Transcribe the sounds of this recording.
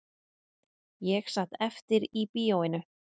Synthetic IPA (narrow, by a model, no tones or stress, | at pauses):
jɛxsat̪ɛft̪ɪɾipiːowɪnʏ